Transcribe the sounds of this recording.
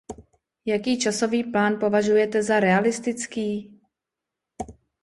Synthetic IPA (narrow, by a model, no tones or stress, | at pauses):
jakiːt͡ʃaso̞viːplaːnpo̞vaʒujɛt̪ɛzaɾɛalɪst̪ɪt͡skiː